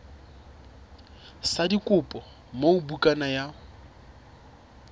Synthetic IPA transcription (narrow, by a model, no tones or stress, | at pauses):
sadikʼʊpʼɔ | moubukʼanaja